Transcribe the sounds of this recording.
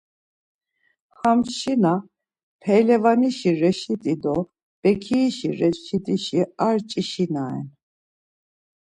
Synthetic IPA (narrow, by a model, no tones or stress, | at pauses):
xamʃina | pʰɛjlɛvaniʃiɾɛʃid̪ʼid̪ɔ | b̥ɛkʰiːʃiɾɛʃid̪iʃiaɾt͡ʃʼiʃinaɛ̰n